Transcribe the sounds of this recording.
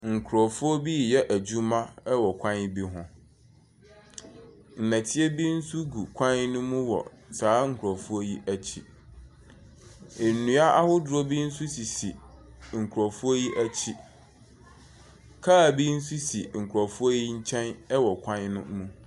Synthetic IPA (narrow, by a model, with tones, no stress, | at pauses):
ŋ̩˨kʰʊ˨ɾɔ˨fʊ˦ɔ˦bi˦˨jɛ˦ʔæ˨d͡ʑu˦mã˦ɛ˦wɔ˨kʰʷã˦n˦bi˦ɦʊ̃˨ | n̩˨nã˨tʰɪ˦e˦bi˦n̩˦su˦ɡu˨kʷʰã˦n˦nʊ̃˦mũ˦wɔ̰˨ | saː˨˦ŋ̩˨kʰʊ˨ɾɔ˨fʊ˦o˦ji˦ʔæ˦t͡ɕʰi˦ | e˨nũ˨˦a˦ʔa˦hʊ˦dʊ˨o˦bi˦n̩˦su˦si˨si˨ | ŋ̩˨kʰʊ˨ɾɔ˨fu˦o˦ji˦ʔæ˦t͡ɕʰi˦ | kʰa˦˨bi˦n̩˦su˦si˨ŋ̩˨kʰɔ˨fʊ˦o˦ji˦ɲ̩˦t͡ɕʰɛ̃˦nɛ˦wɔ˨kʷʰã˦n˦nʊ̰̃˦mũ˦